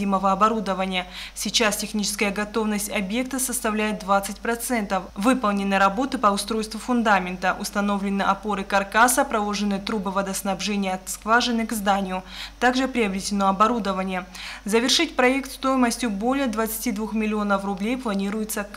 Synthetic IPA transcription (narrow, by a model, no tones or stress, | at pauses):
iməvəɐbɐɾud̪əvənʲɪjəsʲɪt͡ɕastʲɪxnʲit͡ɕɪ̥skəjəɡɐt̪o̞vnəsʲtʲɐbje̞k̚t̪əsəst̪ɐvlʲæjɪt̪̚d̪vat̪sɨtʲpɾɐt̪sɛnt̪əfvɨpəlˠnʲɪnːɨɾɐbo̞t̪ɨpəʊst̪ɾo̞jst̪vʊfʊnd̪amʲɪnt̪əʔʊst̪ɐno̞vlʲɪnːɨʔɐpo̞ɾɨkɐrkasəpɾɐlˠo̞ʐɨnːɨt̪ɾubɨvɐd̪əsnɐbʐɛnʲɪjəːt̪skvaʐɨnɨkzd̪anʲɪjʊt̪aɡʐɨpɾʲɪɐbɾʲɪtʲɪno̞ɐbɐɾud̪əvənʲɪjəzəvʲɪrʂɨt̚ʲpɾɐe̞kt̪st̪o̞jɪməsʲtʲjʊbo̞lʲɪjəd̪vət̪sɨ̥tʲid̪vuxmʲɪlʲɪo̞nəfrʊblʲejplˠɐnʲiɾʊjʊt̪sək